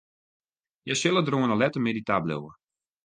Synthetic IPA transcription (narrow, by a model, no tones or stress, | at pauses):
jasɪlˠədroənəlɛtəmeditablɛ̰wə̰